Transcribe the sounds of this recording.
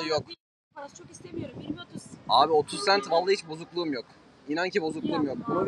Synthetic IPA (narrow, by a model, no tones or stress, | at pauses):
jok̪ | t͡ʃʰokislemijoɾu | aːbio̞t̪ʰussænt̪valˠːahit͡ʃbo̞zuklˠuːmjok | inancʰibo̞zuklˠuːmjo̞k̚